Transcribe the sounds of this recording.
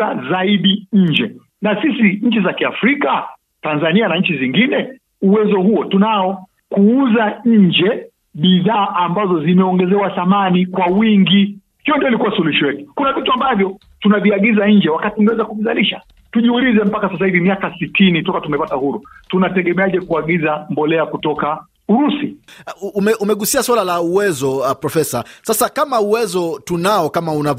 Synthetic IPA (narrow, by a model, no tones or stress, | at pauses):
azaiɗiɲ̩d͡ʒɛ | nasisiɲ̩t͡ʃizakiafɾika | tanzanianaɲ̩t͡ʃiziŋɡinɛ | uwɛzɔhuɔtunaɔ | kuuzaɲ̩d͡ʒɛ | ɓiðaːʔambazɔzimɛɔŋɡɛzɛwaθamanikwawiŋɡi | hijɔndiɔilikuwasuluʃɔwɛtu̥kunavituambavjɔ | tunaviaɠizaɲ̩d͡ʒɛwakatiuŋɛwɛzakuvizaliʃa̰ | tuʄiulizɛm̩pakasas̬aivimiakasitinitɔkatumɛpatahuɾutunatɛɠɛmɛaʄɛkuaɠizambɔlɛakutɔka | uɾusiumɛʔumɛɠusiaswalalauwɛzɔpɾɔfɛsasasakamauwɛzɔtunaɔkamauna